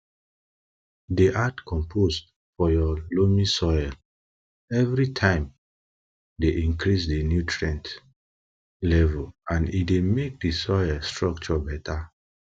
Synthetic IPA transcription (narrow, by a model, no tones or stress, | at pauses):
deʔatkɔ̃mpʰosd | fɔjɔlomisɔjɛl | ɛvɹitʰãɪ̃m | deʔĩŋkɹisdenjutʰɹɛ̃nt | lɛvɔlãndḭdemek̚disɔjɛlstɹɔk̚t͡ʃɔbɛtʰa